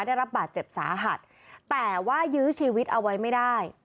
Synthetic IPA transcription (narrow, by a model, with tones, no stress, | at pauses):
da˥˩jɾa˦˥p̚baː˨˩t̪̚t͡ɕe˨˩p̚sa̰ː˩˦ɦa˨˩t̪̚ | t̪ːɛː˨˩waː˥˩jɯː˦˥t͡ɕʰiː˧wi˦˥t̪̚ʔa˧wːa˦˥jma˥˩jdaː˥˩j